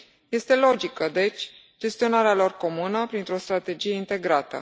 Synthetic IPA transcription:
je̞st̪e̞lo̞d͡ʒikəd̪e̞t͡ʃʲ | d͡ʒe̞st̪io̞naɾealo̞rko̞munəpɾint̪ɾo̞st̪ɾat̪e̞d͡ʒije̞int̪e̞ɡɾat̪ə̰

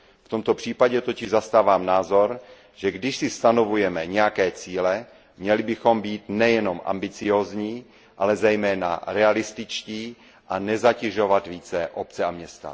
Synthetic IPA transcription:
ft̪omt̪o̞pr̥iːpaɟɛt̪o̞cɪʒzast̪aːvaːmnaːzo̞ɾ | ʒ̥ɛɡdɪʃsɪst̪ano̞vujɛmɛɲɛjakɛːt͡siːlɛ | mɲɛlɪbɪxo̞mbiːt̪nɛjɛnomʔa̰mbɪt͡sɪjoːzɲiː | ʔalɛzɛjmɛːna̰ɾɛalɪst̪ɪt͡ʃciː | ʔanɛzacɛʒovat̪viːt͡sɛʔop̚t͡sɛamɲɛst̪a̰

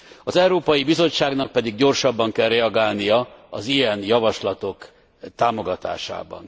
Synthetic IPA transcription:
ɒzɛuɾoːpɒjibizo̞t͡ʃːaːɡnɒk̚pɛd̪iɡɟo̞rʃɒbːɒŋkɛlrɛɒɡaːlnijɒɒzijɛnjɒvɒʃlɒt̪o̞k | t̪aːmoɡɒt̪a̰ːʃa̰ːbɒ̰n

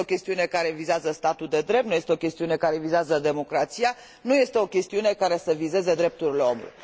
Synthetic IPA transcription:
okʲe̞st̪iune̞kaɾe̞vizazəst̪at̪uld̪e̞d̪ɾep̚t̪nuje̞st̪eo̞kʲe̞st̪iune̞kaɾe̞vizeazəd̪e̞mo̞kɾat̪sija | nujest̪e̞o̞kʲe̞st̪iune̞kaɾe̞səvize̞ze̞d̪ɾe̞p̚t̪uɾileo̞mṵlṵjj

